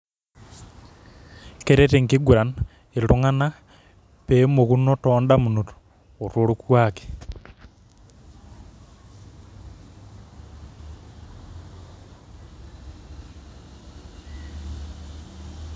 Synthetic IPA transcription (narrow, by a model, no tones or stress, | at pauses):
keɾeteŋkiɡuɾan | eɾuŋana | pemoɣunotoːndamunoto̥ | otoɾukwake̥